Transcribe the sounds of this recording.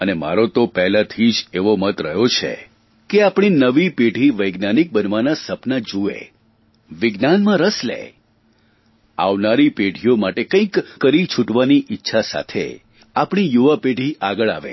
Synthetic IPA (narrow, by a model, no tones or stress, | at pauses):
ənema̰ɾot̪opɛɦlat̪ʰid͡ʒeʋomət̪ɾəɦjot͡ʃʰḛ | keapɽ̃inəʋipeɽʱiʋəjɡnanik̚bənʋanasəpnad͡ʒuḛ | ʋɪɡnanmãɾəslḛ | a̰ʋnaɾipeɖʱijomaʈekə̃ĩkːəɾit͡ʃʰuʈʋaniʔɪtːʃʰasa̰t̪ʰḛ | apɽ̃ijuʋapeɖʱiʔaɡəɭa̰ʋḛ